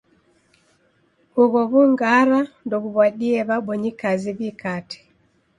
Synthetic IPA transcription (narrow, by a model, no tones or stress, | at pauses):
uɣɔβuŋɡaɾandɔɣuβwaɗiɛβaɓɔɲikaziβikatɛ̥